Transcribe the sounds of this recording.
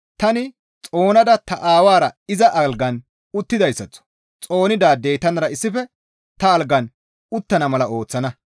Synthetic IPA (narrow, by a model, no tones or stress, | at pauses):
t̪ɐnɪ | t͡sʼo̞ːnɐd̪ɐt̪ɐʔaːwaːɾɐɪzɐʔɐlɡɐn | ʊt̪ːɪd̪ɐjsːɐt͡sːɔ̥ | t͡sʼo̞ːnɪd̪aːd̪ejt̪ːɐnɐɾɐɪsːɪfɛ | t̪ɐːlɡɐn | ʊt̪ːɐnɐmɐlɐo̞ːt͡sːɐnɐ